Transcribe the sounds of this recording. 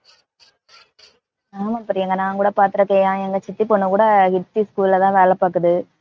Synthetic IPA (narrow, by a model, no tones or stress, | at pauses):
naːmɐpɐɾɪjɐŋɡɐnaːŋkuːɽɐpaːɾt̪ɯɾɯkːẽːjãːɛŋɡɐt͡ʃɪt̪ːipɔnːɯ̃kuːɽɐhɪt̪ːiskuːlɪlɐt̪ãːʋeːlɐpːaːkːɯðɯ